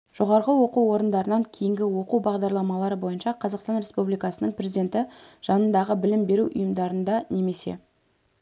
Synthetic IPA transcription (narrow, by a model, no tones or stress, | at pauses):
ʒ̥o̞ʁɑɾʁəwo̞quwwo̞ɾənd̪ɑɾənɑŋkʲʰejɪŋɡʲɪwo̞qubɑʁd̪ɑɾlˠɑmɑlˠɑɾəbo̞jənʃɑqʰɑzɑqst̪ɑnɾʲe̞spublijkɑsənəɴpɾʲezid̪ʲe̞nt̪ɪʒ̥ɑnənd̪ɑʁəbɪlɪmbe̞ɾuʔʊ̰jəmd̪ɑɾənd̪ɑne̞me̞se̞̰